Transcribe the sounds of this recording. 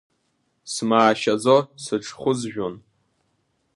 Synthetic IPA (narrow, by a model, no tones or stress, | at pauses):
smaːʃad͡zosɨʈ͡ʂʰχʷʊzʒᶣon